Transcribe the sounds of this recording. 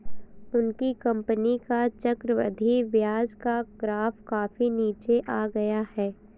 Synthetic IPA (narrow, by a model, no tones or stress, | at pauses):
ʊnkikɐ̃mpənikat͡ʃɐkɾəʋə̰d̪ʱiʋjaːd͡ʒkaɡɾaːfkaːfiniːt͡ʃeʔaːɡɐjahɛː